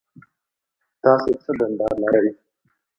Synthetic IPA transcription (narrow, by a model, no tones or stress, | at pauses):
t̪ɑset͡səd̪and̪ɑɾlaɾawi